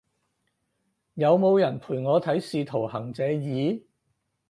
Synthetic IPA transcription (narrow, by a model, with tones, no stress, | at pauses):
jɐ˨˧wmo˨˧wjɐ˨˩npʰuː˨˩jŋɔː˨˧t̪ʰɐ˨˥jsiː˧t̪ʰo˨˩whɐ˨˩ŋt͡sɛː˨˧jiː˨˧